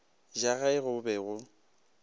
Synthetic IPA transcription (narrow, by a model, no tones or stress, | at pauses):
d͡ʒaɣaɪɣʊbɛɣʊ